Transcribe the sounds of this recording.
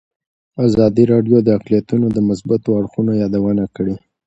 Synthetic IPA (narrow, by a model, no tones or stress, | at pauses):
azɑd̪iɾɑɖjod̪əaqlijat̪unod̪əmʊsbat̪oaɽxunojɑd̪awənakəɽe